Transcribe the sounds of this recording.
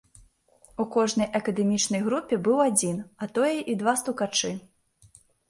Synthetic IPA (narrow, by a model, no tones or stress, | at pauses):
ukɔʐnɐjʔɐkɐd̪ɛmʲit͡ʂnɐjɣɾupʲɛbɨwad͡zʲinɐt̪ɔjɛʔid̪vast̪ukat͡ʂɨ